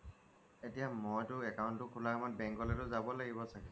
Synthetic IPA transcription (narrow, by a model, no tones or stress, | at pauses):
etijamojtʊɛkawntʊkʰulamat̚bɛŋkɔlɛtʊzabɔlaɡibɔsʰaki